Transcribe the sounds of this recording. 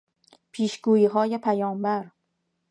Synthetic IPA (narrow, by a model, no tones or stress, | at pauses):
pʰiːʃɡuːjiːɦɒːjepʰæjɒːmbæɾ